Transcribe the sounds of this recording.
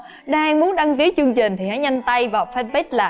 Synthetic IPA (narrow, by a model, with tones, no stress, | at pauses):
ɗaː˧ŋmu˨˦ənɗa˧ŋki˨˦t͡ɕɨ˧əŋt͡ɕï˨˩ŋ̟t̪ʰi˨˩na˨˦jɲa˧jŋ̟t̪a˧jvaː˨˩wfɛ˦˧t̚ɓɛ˦˥t̚laː˨˩